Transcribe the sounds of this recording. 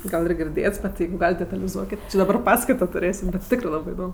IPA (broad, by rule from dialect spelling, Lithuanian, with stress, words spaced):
ˈɡɐlˠ ɪr ɡʲɪrʲˈdʲeːts bʲɛt ˈjɛɪɡʊ ˈɡɑːlʲɪt dʲɛtɐlʲɪˈzuɔkʲɪt dɐˈbɐr ˈpɑːskɐɪtoː tʊˈrʲeːsʲɪm bʲɛt ˈtʲɪkrɜ ˈlˠɑːbɜ ɪˈdoːm